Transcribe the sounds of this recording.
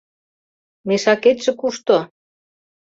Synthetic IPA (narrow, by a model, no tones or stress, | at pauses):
meʃɑket̪ʲʃɘ̆kuʃt̪ŏ